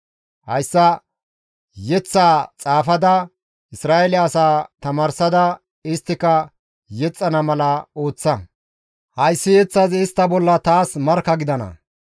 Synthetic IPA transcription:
hɐ̰jsːɐ | jɛt͡sːaːt͡sʼaːfɐd̪ɐ | ɪsɾaːʔɛlɪɐsaːt̪ɐmaːɾsɐd̪ɐ | ɪst̪ːɪkɐ | jɛt͡sʼːɐnɐmɐlɐo̞ːt͡sːɐ | hɐjsːɪjɛt͡sːɐzɪst̪ːɐbɔlːɐt̪aːsmɐɾkːɐɡɪd̪ɐnɐ̰

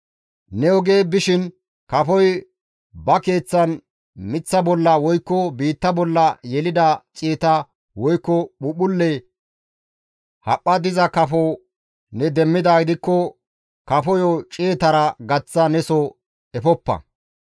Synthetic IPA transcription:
nɛɔɡe̞ːbɪʃɪn | kɐfɔj | bɐke̞ːt͡sːɐn | mɪt͡sːɐbɔlːɐwɔjkːɔbiːt̪ːɐbɔlːɐjɛlɪd̪ɐt͡ʃʼeːt̪ɐ | wɔjkːɔɓʊɓʊlːɛ | hɐpʼːɐd̪ɪzɐkɐfɔ | nɛd̪ɛmːɪd̪ɐɡɪd̪ɪkːɔ | kɐfɔjɔt͡ʃʼeːt̪ɐɾɐɡɐt͡sːɐnɛsɔ | ɛfɔpːɐ̰

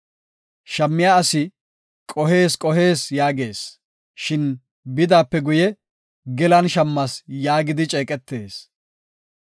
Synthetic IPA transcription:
ʃɐmːɪjaɐsɪ | kʼɔɦe̞ːskʼɔɦe̞ːsjaːɡe̞ːs | ʃɪn | bɪd̪aːpːɛɡʊjɛ | ɡɛlɐnʃɐmːɐsjaːɡɪd̪ɪt͡ʃʼeːkʼɛt̪ːe̞ːs

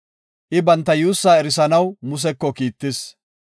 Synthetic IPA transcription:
ʔɪbɐnt̪ːɐjuːsːaːɛɾɪsɐnɐwmʊs̬ɛkːɔkiːt̪ːɪs

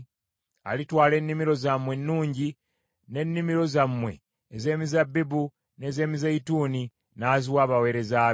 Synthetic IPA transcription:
a̰litwaːle̞nːimiɾo̞zamwe̞nːuːɲɟi | ne̞nːimiɾo̞zamːwe̞̰ː | ze̞ːmizabːibu | ne̞ze̞ːmizaituːni | naːziwaːβawe̞ːɾe̞zaː

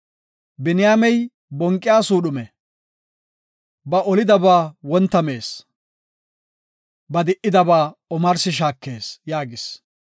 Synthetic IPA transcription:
bɪnɪjaːmɛj | bɔŋkʼːɪjaːsuːɗʊmɛ | bɐʔɔlɪd̪ɐbaːwɔnt̪ːɐmeːs | bɐd̪ɪʔɪd̪ɐbaːɔmɐɾsɪʃ̬aːkːe̞ːsjaːɡɪs

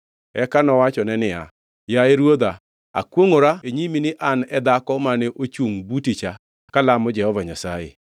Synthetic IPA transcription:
ɛkanɔwat͡ʃɔnɛnɪa̰ | jaeɾwod̪a | a̰kwoŋoɾaeɲiminɪʔanɛd̪akɔmanɛʔot͡ʃuŋbutit͡ʃa | kalamɔd͡ʒɛhɔvaɲasajḛ

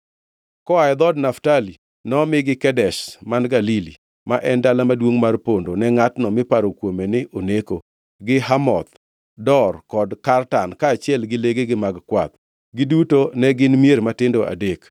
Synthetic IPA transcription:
kɔaɪd̪ɔdnaftali | nɔmɪɡɪkɛdɛʃmanɡalili | maʔɛndalamadwoŋmarpondonɛŋatnɔmɪpaɾokwomenɪʔoneko | ɡɪɦamɔ̰t̪ | dɔrkɔdkartankaːt͡ʃɪɛlɡɪleɡeɡɪmaɡkwat̪̚ | ɡɪdutonɛɡɪnmjeɾmatɪndoʔa̰dek

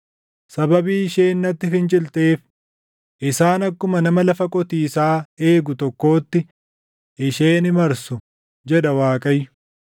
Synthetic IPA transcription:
sɐbɐbiːɪʃeːnːɐt̪ːɪfɪnt͡ʃʼɪlt̪e̞ːf | ʔɪsaːnɐkːʊmɐnɐmɐlɐfɐkʼɔt̪iːsaːe̞ːɡʊt̪ɔkːo̞ːt̪ːɪ | ʔɪʃeːnɪmɐɾsʊ | d͡ʒɛᶑɐwaːkʼɐjʊ

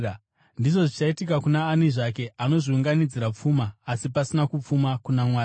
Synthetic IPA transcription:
ndiʐo̞ʐit͡ʃaitikakunaːniʐake̞ano̞ʐiuŋɡanid͡ziɾap͡fuːmaːsipasinakup͡fumakunamwaːi

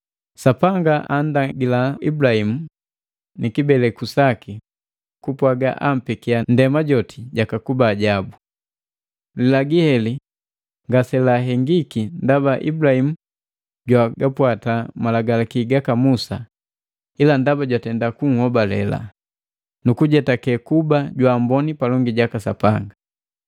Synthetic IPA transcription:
sapaŋɡaʔandaɡilaibulahimu | nʔikibɛlɛkusaki | kupwaɡa̰ʔam̩pikiandɛmaɟɔtiɟakakubaːɟabu | lilaɡihɛli | ŋɡasɛlaɦɛŋɡikindabaʔḭbulahimu | ɟwaɡapwatamalaɡalakiɡakamusa | ilandabaɟwatɛndakuŋ̩hɔbalɛ̰la̰ | nukuɟɛtakɛkubaɟwaːmbɔnipalɔŋɡiɟakasapaŋɡa

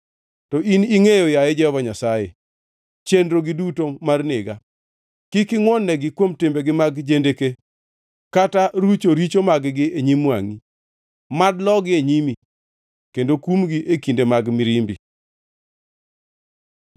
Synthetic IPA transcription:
tɔʔiniŋejojajed͡ʒɛɔvaɲasajḛ | t͡ʃendɾoɡɪdutomarnɪɡa | kɪkɪŋwɔnːɛɡɪkwomtɪmbeɡɪmaɡd͡ʒendeke | kataɾut͡ʃoɾit͡ʃomaɡɡɪeɲimwaŋi | madlɔɡɪeɲimi | kendokumɡiʔekindemaɡmɪɾimbḭ

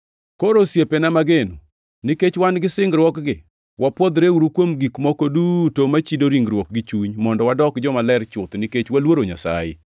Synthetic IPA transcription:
koɾosjepenamaɡenu | nɪket͡ʃwanɡɪsɪŋɡɾwɔkɡɪ | wapwɔd̪ɾeuɾukwomɡikmɔkodutomat͡ʃidoɾiŋɡɾwɔk̚ɡɪt͡ʃuɲmɔndɔwadɔkd͡ʒɔmalɛɾt͡ʃʊt̪niket͡ʃwalwoɾoɲa̰sa̰jɪ̰

